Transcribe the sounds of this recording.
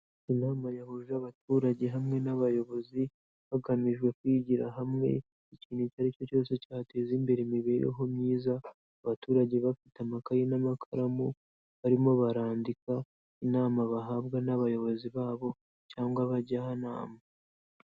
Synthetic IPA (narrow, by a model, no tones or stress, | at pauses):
inaːmajahuʒaβatuːɾaɟe̞ɦamŋe̞naβajo̞βo̞zi | βaɡamiʒɡwe̞kwiːɟiɾa̰ɦamŋe̞̰ | iciːnhucaɾico̞co̞ːse̞caːte̞ːzimbe̞ɾemiβe̞ːɾḛɦo̞mɲiːzaː | βatuːɾaɟeβafitamakajenamakʰaɾamu | βaɾimo̞βaɾaːndika | inaːmaβaɦaβɡanaβajo̞βo̞ziβaːβo̞ | caːŋɡwaβaɟahana̰ːma